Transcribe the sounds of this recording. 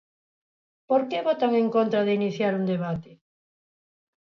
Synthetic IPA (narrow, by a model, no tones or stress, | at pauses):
poɾkeβot̪aŋeŋkont̪ɾaðeiniθjaɾund̪eβat̪ɪ